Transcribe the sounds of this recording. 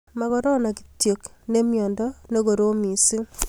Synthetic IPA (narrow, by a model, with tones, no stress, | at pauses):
ma˦kɔ˦ɾɔ˦na˨ki̥˨tje˨kne˦mjɔ˨ndɔ˦ne˦ko˨ɾo˦mi˨si˦ŋ